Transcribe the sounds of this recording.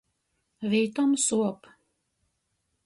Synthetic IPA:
viːt̪ɔmsuɔp

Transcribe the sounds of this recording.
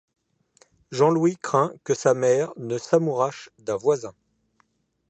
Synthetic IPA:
ʒɑ̃lwikχɛ̃kəsamɛʁnəsamuʁaʃd̪ɛ̃vwazɛ̃

